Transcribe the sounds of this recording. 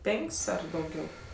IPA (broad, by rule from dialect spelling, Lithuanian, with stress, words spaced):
ˈpʲɛŋʲkʲsʲ ˈɐr dɐʊˈɡʲɛʊ